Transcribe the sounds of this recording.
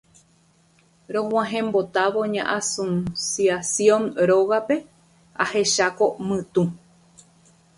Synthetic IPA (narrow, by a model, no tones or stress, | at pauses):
ɾõhw̃ãɦẽ̞mbot̪aʋo̞ɲã̰ʔasõnsjiasjõ̞nɾoɣape̞ | a̰he̞ʃako̞mɨ̃t̪ũ